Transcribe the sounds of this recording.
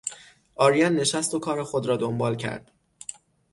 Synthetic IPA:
ʔɒːɾijænːe̞ʃæst̪okʰɒːɾexo̞d̪ɾɒːd̪ombɒːlcʰæ̰ɾd̪̥

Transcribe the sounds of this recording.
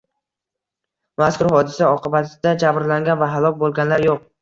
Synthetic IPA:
maskʰʊɾɦɒd̪ɪsaɒqʰɨbat̪ʰɪd̪ad͡ʒabɾlaŋɡʲanvaɦalˠɒkʲbolˠɡʲanlaɾjoq̚

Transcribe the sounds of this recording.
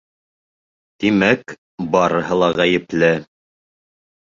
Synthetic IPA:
t̪imæk | bɑɾɤ̆ɦɤlˠɑʁæjɘ̆plɘ

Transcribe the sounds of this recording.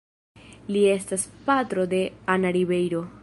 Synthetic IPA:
lie̞staspat̪ɾo̞de̞anaɾiβe̞jɾo̞

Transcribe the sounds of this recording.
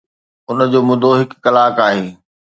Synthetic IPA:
ʊnəd͡ʑoːmʊd̪ʱoɦɪkːɐlaːkaːɦeː

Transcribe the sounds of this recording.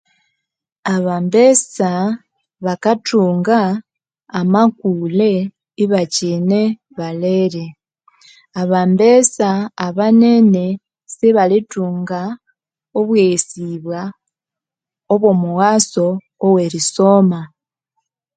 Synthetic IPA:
aβambesa | βakatuːŋɡaː | makule̞ | iβacine | βaleɾe | aβambesaːβane̞ne̞ | siβalituːŋɡa | oβwesiβwa | oβo̞muɣaso̞ː | weɾiso̞ma

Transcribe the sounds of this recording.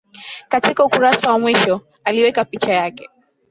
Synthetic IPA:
katikaukuɾasawamwiʃɔ | aliwɛkapit͡ʃajakɛ̥

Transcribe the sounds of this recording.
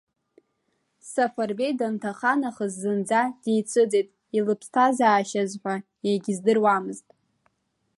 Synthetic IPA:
safarbejdantʰaχanaχəzːɨnd͡zad̥ejt͡sʷʰɨd͡zejtʼ | ilɨpʰstʰazaːʃazħʷᶣa | jaɡʲizdɨrwamɨztʼ

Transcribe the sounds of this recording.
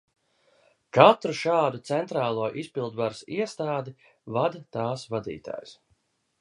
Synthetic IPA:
kat̪ɾuʃaːd̪ut̪sɛnt̪ɾaːlˠuɔʔispilˠd̪vaɾsiɛst̪aːd̪i | vad̪t̪aːsvad̪ḭːt̪a̰ːjs

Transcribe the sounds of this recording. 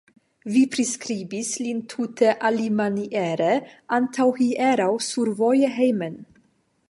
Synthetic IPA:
viːpʰɾɛskɾiːbislint̪ʰut̪ʰəʔalimaniʔɛːɾəʔant̪ʰawhiʔɛːɾawsuɾvɔjəɦɛjmən

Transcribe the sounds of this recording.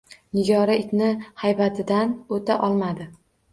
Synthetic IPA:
nɪɡʲɒɾaɪkʲnɪhajbat̪ʰɪd̪anot̪ʰaʔɒlˠmad̪ɪ

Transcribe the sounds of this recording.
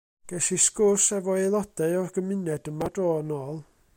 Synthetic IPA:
ɡ̥ɛsiskʊrsɛvɔelˠɔd̥ɛɔrɡ̥əmɪnɛdəmadoːnɔːlˠ

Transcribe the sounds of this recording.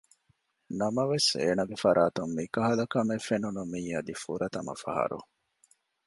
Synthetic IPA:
nɐmɐʋeseːnɐɡefɐɾaːt̪umːikɐɦɐlɐkɐmefenunumiːɐd̪ifṵɾɐt̪ɐmɐ̰fɐ̰ɦɐ̰ɾṵ

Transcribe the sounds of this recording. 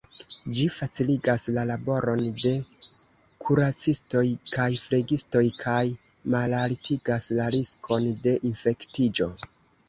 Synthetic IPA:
d͡ʒifat͡siliɡaslalabo̞ɾo̞nde̞ | kʰuɾat͡sisto̞jkajfle̞ɡisto̞jkʰaj | malalitʰiɡaslaɾiskʰo̞nde̞ʔinfe̞ktid͡ʒo̞

